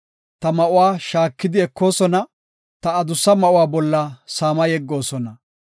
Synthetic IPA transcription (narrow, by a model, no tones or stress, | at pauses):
t̪ɐmɐʔʊwaːʃaːkːɪd̪ɪɛkʰːo̞ːsɔnɐ | t̪ɐːd̪ʊsːɐmɐʔʊwaːbɔlːɐsaːmɐjɛɡːo̞ːsɔnɐ